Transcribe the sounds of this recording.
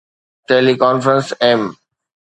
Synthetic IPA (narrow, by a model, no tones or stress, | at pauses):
ʈeːlikɔ̃ːnfəɾə̃nsem